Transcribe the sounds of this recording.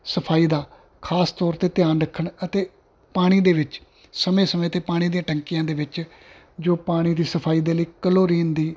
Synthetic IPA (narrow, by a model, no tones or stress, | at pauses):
səpʰaːiːd̪aː | kʰaːst̪ɔːɾt̪eːt̪ɪjaːnɾəkʰːəɳət̪eː | paːɽ̃iːd̪eːʋɪt͡ʃ | səmẽːsəmẽːət̪eːpaːɽ̃iːd̪ijãːʈəŋkijãːd̪eːʋɪt͡ʃ | d͡ʒoːpaːɽ̃iːd̪iːsəpʰaːiːd̪eːləiːkəloːɾiːnd̪iː